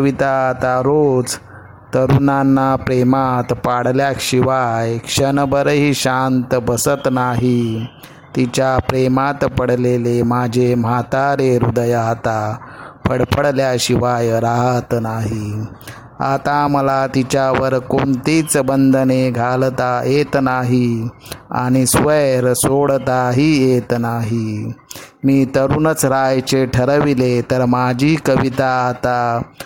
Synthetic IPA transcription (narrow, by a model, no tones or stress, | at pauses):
ʋit̪at̪aɾod͡z | t̪əɾunanːapɾemat̪paɽljakɕiʋajkʂənbəɾɦiɕant̪əbəsət̪naɦi | t̪it͡ɕjapɾemat̪pəɽ̤lelemad͡ʑʱemat̪aɾeɾṵd̪əjat̪apʰəɽpəɽljaɕiʋajɾaɦət̪naɦi | a̰t̪aməlat̪it͡ɕjaʋəɾkoɳt̪it͡sbənd̪ʱəneɡʱalt̪ajet̪naɦi | a̰ɽ̃isʋəjɾsoɽt̪aɦijet̪naɦi | miːt̪əɾunət͡sɾajt͡ɕeʈʰəɾəʋilet̪əɾmad͡ʑʱiːkəʋit̪at̪a